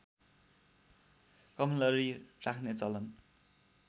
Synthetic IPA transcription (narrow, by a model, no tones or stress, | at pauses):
kʌmlʌɾirakʰnet͡sʌlʌn